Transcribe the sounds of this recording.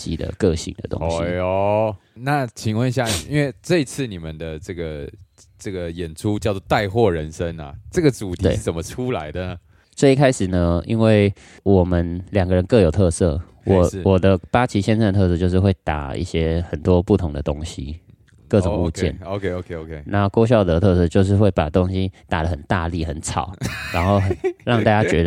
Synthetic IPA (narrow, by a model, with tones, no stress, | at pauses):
t͡ɕḭ˨˩d̪ə̰˨˩kɤ˥˧ɕḭ˨˩ŋd̪ə̰˩t̪o̰˦ŋɕi˦ | na˥˩t͡ɕʰi˨˩ŋwə˥˨ni˧ɕja˥˩i˥nwe˥˧ɪʈ͡ʂɤ˥˧i˥t͡sʰɹ̩˥˩ni˨˩mə˨˦nd̪ə˨ʈ͡ʂɤ˥˩ɡə˩ | ʈ͡ʂɤ˥˩ɡə˩jɛ˨˩nʈ͡ʂʰu˦t͡ɕjɑ˥˧ʊt͡swɔ˥˧t̪a˥˧ɪxwɔ˥˨ɻə˧˦nʂə˦na̰˨ʈ͡ʂɤ˥˩ɡə˩t͡su˨˩t̪ʰi˧wḛ˥˩˥t͡sə˨˩nmə˦ʈ͡ʂʰu˦la˧˦ɪd̪ə˨nə˩ | t͡swe˥˩ɪi˧kʰa˥ɪʂɻ̩˨˩nə˦ḭ˥nwe˥˩ɪ | wɔ˨˩mə˦nljɑ˨˩ŋɡə˦˧ɻə˧˦nkɤ˥˩jo˨˩ʊt̪ʰɤ˥˧sɤ̰˥˩ | wʔɔ˨˩˦wɔ˨˩d̪ə˦pa˥t͡ɕʰi˧˥ɕjɛ˥nʂə˥˩nə˩t̪ʰs̬ɤ˥˧t͡ɕjo˥˧ʊʂɻ̩˥˧xwe˥˩ɪt̪a̰˨˩ḭ˧˩ɕjɛ˦˥xə˨˩nt̪wɔ˦˥pu˥˩t̪ʰʊ˧˦ŋd̪ə˨t̪o˦ŋɕi˦ | kɤ˥˩ʈ͡ʂʊ˨˩ŋṵ˥˧t͡ɕjɛ̰˥˨no˧kʰe˥o˧kʰe˥o˧kʰe˧na˧˥no˥˧ko˥ɕ̬jɑ˥˩ʊt̪ə˧˦t̪ʰɤ˥˧sɤ˥˧t͡ɕjo˥˧ʊʂ̬ɻ̩˥˧xwe˥˩ɪpa˨˩t̪o˦˥ŋɕi˧˦t̪a˨˩lə˦xə˨˩nt̪a˥˧li˥˨˩xə˧˦nt͡sʰɑ̰˨˩˦ʊɻa˧˥nxo˥˩ʊɻɑ˥˧ŋt̪a˥˩t͡ɕja˥t͡ɕɥɛ˧˥d̪ə˧